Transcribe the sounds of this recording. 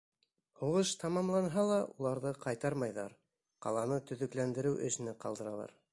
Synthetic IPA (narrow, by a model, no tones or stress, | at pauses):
huʁɤʃt̪ɑmɑmlˠɑnɦɑlˠɑʔulˠɑɾðɤqɑjt̪ɑɾmɑjðɑɾ | qɑ̰lˠɑnɤt̪ɵ̆ðɵ̆klænd̪ɘ̆ɾɘwʔɵ̰̆sɘ̆nɘqɑlˠd̪ɤ̆ɾɑlˠɑ̰ɾ